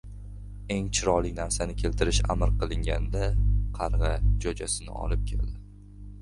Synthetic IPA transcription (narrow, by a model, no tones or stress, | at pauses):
e̞ŋt͡ʃʰɪɾɒlˠɪkʲnaɾsanɪkʲʰe̞lt̪ʰɪɾɪʃa̰mɪɾqʰɨlˠɪŋɡʲa̰nd̪aqʰɑɾʁɨd͡ʒod͡ʒasɪnɪ̰ɒ̰lɪp̚kʲʰḛld̪ɪ